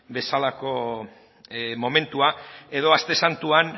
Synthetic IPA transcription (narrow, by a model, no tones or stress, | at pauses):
be̞salako̞ | mo̞me̞nt̪uae̞ðo̞ast̪e̞sant̪uan